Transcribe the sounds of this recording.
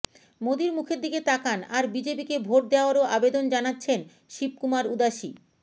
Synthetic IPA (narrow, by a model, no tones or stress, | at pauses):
mod̪iɾmukʰeɾd̪iket̪akanaɾbid͡ʑepikebʱoʈ̚d̪eoaɾoʔabed̪ond͡ʑanatːɕʰen | ʃip̚kumaɾud̪aʃi